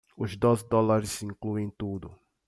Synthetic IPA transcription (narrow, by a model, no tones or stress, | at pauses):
ʊzd̪ozɪd̪ɔlaɾɪsĩŋkluẽj̃t̪ud̪ʊ